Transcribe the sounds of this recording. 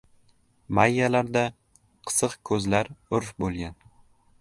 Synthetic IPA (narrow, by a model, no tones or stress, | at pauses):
majːalaɾd̪a | qʰɨ̥sɨqkʰɵzlaɾʊɾfbolˠɡʲan